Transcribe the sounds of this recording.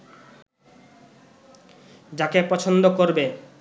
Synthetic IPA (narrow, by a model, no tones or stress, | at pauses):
d͡ʑakepɔt͡ɕʰond̪okoɾbe